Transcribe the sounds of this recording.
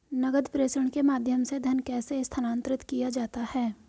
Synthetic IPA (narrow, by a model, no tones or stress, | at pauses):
nɐɡəd̪pɾeːʃəɳ̃kemaːd̪ʱjəmsed̪ʱənkɛːseɪst̪ʰənãːnt̪ɾɪt̪kijad͡ʒaːt̪ahɛː